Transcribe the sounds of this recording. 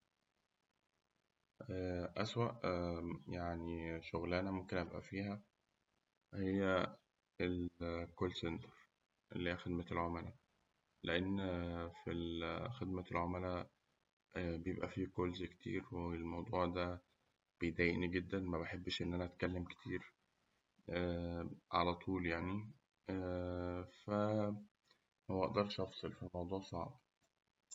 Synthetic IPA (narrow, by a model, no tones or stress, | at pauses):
ʔæːʔæswæʔ | jaʕniʃoɣlænæmomkenʔæbʔæ̰fiːhæ | hejːæ | elkolsent̪ɑ̥ɾ | ʔḛlːiːiːæxed̪mæelʕomælæ | leʔenːfilxed̪̚mælʕomælæ | bejebʔæfikolzkt̪ʰḭːɾwelmɑwd̪ˤuːʕd̪æ | b̥ejd̪æːjeʔniɡed̪ːænmæbeħebːʃʔenːʔænæʔæt̪kælːemke̥t̪ʰiːɾ | ʔæʕa̰læt̪ˤuːljaʕni | fæ | howæʔɑʔd̪ɑɾˤʃʔɑfsˤelfilmɑwd̪ˤuːʕsˤɑ̰ʕb